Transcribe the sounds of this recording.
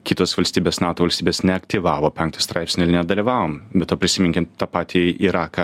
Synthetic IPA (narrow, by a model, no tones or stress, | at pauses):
kʲiːt̪oːsʋɐlʲsʲt̪ʲiːbʲeːsnɑːt̪uːʋɐlʲsʲt̪ʲiːbʲeːsnʲɛɐkt̪ʲiʋɑːʋoːpʲɛŋk̚t̪ɐst̪ɾɑˑɪpsʲnʲɪɪɾnʲɛd̪ɐlʲiʋɑːʋoːmbʲɛt̪oːpʲɾʲɪsʲɪmʲɪŋʲkʲɪt̪ɑpɑːt̪ʲiɪɾɑːkɐ